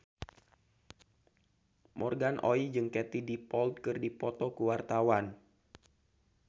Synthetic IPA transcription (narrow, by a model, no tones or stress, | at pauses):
mʔɔrɡanʔoid͡ʒɨŋkɛt̪idipɔld̪̚kɨrdipɔt̪ɔkuwart̪awan